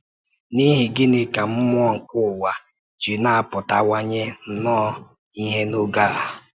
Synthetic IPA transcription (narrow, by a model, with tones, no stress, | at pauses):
ni˦ɦɪ˨ɡɪ˦nɪ˦ka˨m̩˦mʊ˦ɔ˦ŋ̩˨kʊ˦˨wa˨ | d͡ʒi˨na˦a˨pʊ˨ta˨wʷa˦ɲe˦n̩˦nɔː˦ | i˦ɦe˦no˦ɡa˦˨a˨